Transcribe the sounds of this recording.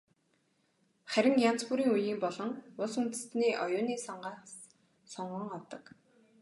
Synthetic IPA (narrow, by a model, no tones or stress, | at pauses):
χæɾʲɪ̆ŋjan̥t͡spuɾiːŋujiːmpɔɮɞ̆ŋʊɮsunt̪ɘ̆sniːʔɔjʊːniːsɔɴɢaːs | sɔɴɢə̆ŋɔwt̪ɞ̆k